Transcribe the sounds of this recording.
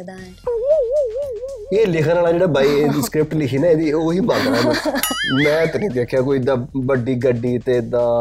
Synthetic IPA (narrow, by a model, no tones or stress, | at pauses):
eːlɪkʰənaːlaːd͡ʒeːɽaːbaːiːeskɾɪp̚ʈlɪkʰiːnaːeːd̪iːoːɦiːbaːɡɾaːd̪aːmɛ̃ːt̪ːkːkeːkʰjaːk̬oːiːɪd̪aːbəɖiːɡəɖiːt̪eːɪd̪ãː